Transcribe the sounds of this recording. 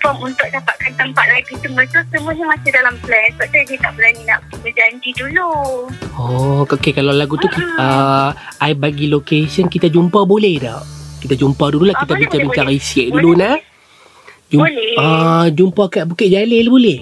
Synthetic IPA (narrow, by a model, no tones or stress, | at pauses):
fɔmunt̪ʊk̚dapat̪̚kant̪əmpat̪̚aipisəŋmbət̪usəmuəɲamasadalamplɛnsbap̚d̪adiat̪aʔbəlaninaʔtubəd͡ʒaɲd͡ʒidulu | ɔokekalalaɡut̪ukiə | aibaɡilokesənkit̪ad͡ʒumpabolɛhdɔʔkit̪ad͡ʒumpadululahkit̪abiɲt͡ʃabiŋkaʔɾisɛʔ̚duluna | d͡ʒublɛəd͡ʒumpakaʔbukɪʔd͡ʒalelbolɛh